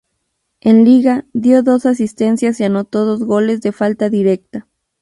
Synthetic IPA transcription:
e̞nliɣaðjo̞ðo̞sas̬ist̪e̞nsjasiano̞t̪o̞ðo̞zɣo̞le̞zðe̞falt̪aðiɾe̞k̚t̪a

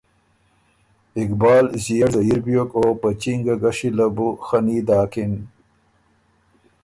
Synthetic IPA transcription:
ɪkbɑːlzijaɽzajiɾbjokopət͡ʃiŋɡaɡaʂilabuxanid̪ɑːkɪn

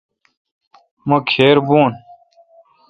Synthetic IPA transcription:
mɐkʰeːɾbuoːn

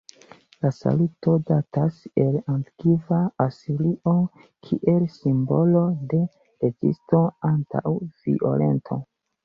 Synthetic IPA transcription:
lasa̰luto̞datase̞lantkivaasiliʔo | kʰiʔe̞lsimbo̞lo̞de̞ | ezḭstoanta̰wv̥ḭʔo̰le̞̰ntʰo̞̰

